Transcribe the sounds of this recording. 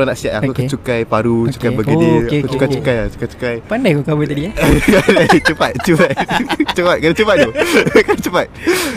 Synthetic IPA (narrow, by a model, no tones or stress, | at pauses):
anaʔsiat̪akuakat͡ʃukajpaɾut͡ʃu̥kajbaədikut͡ʃukajt͡ʃukajat͡ʃu̥kajt͡ʃu̥kajpandajkokabət̪adiakadajt͡ʃəpat̪̚t͡ʃəpat̪t͡ʃəpat̪̚kanãt͡ʃəpat̪̚kokanãt͡ʃəpat̪